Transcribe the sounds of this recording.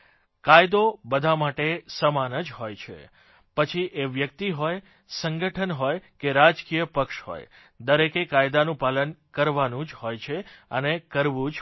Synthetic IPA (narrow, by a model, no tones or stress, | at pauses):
kajd̪obəd̪ʱamaʈesəmanəd͡ʒɦojt͡ʃʰḛ | pət͡ʃʰiʔeʋjək̚t̪iɦoj | səŋɡəʈʰənɦojkeɾad͡ʒkijəpəkʃɦo̰j | d̪əɾekekajd̪anũpalənkəɾʋanũd͡ʒɦojt͡ʃʰeənekəɾʋũd͡ʒ